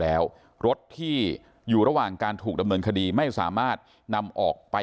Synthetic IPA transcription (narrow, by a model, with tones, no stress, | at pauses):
ɛː˦˥w | ɾo˦˥t̪ʰːiː˥˩ | juː˨˩ɾa˧waː˨˩ŋkaː˧nt̪ʰuː˨˩k̚da˧mnɤː˧nkʰa˧diː˧ma˥˩jsa̰ː˩˦maː˥˩t̪̚ | na˧mʔɔː˨˩k̚pa˧